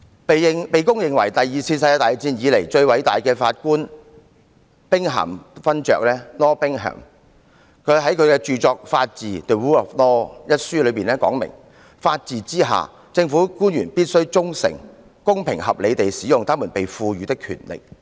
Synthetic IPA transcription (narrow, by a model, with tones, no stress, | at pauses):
pe˨ɪ˨ŋpe˨jkʊ˥ŋjɪ˨˩ŋwɐ˨˩jt̪ɐ˨jjiː˨˩sʰiː˧nsɐ˧ja˧t̪aː˨jt͡siː˧njiː˨˧le˨˩jt͡ʃɵ˧ɥwɐ˨˥jt̪aː˨jkɛː˧faː˧t̚kuː˥n | pɪ˥ŋɦɐ̰˨˩mfɐ˥nt͡ʃœ̰ː˨k̚lɛː˥lɔː˥pɪ˥ŋɦɐ̰ː˨˩m | kʰɵ˨˧ɥɦɐ˨˥jkʰɵ˨˧ɥkɛː˧t͡ʃyː˨˧t͡sɔː˧k̚faː˧t̚t͡siː˨t̪ə˨wuː˥ɔ˨˩flɔː˥jɐ˥t̚syː˥lɵ˨˧ɥpiː˨˩nlɛː˥kɔː˨˥ŋmɪ̰˨˩ŋ | faː˧t̚t͡siː˨t͡siː˥ɦa̰ː˨ | t͡sɪ˧ŋfuː˨˥kuː˥njyː˨˩npiː˥t̚sɵ˥wt͡sʊ˥ŋsɪ̰˨˩ŋ | kʊ˥ŋpʰɪ˨˩ŋɦɐ˨p̚le˨˧jt̪e˨jsiː˨˥jʊ˨ŋt̪aː˥mu˨˩npe˨jfuː˧ɥyː˨˧t̪ɪ˥kʰːy̰˨˩nlɪ̰˨k̚